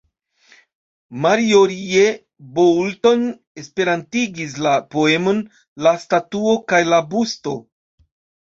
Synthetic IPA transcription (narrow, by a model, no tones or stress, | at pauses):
maɾioɾie | bowlto̞n | e̞spe̞ɾantiɡis̬lapo̞e̞mo̞n | lastatuokajlabusto̞